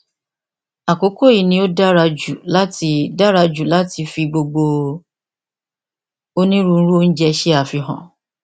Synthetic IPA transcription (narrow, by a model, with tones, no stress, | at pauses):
a˨ko˨˦ko˦i˨nĩ˧˦o˦da˦ɾa˧d͡ʒu˨la˦ti˧˦da˦ɾa˧d͡ʒu˨la˨˦ti˧fi˧ɡ͡bo˧ɡ͡bo˧ | o˦nĩ˦ɾũ˦ñ̩˦ɾu˦o˦n̩˦d͡ʒɛ˧ʃɛ˦a˦˨fi˧ɦã̰˨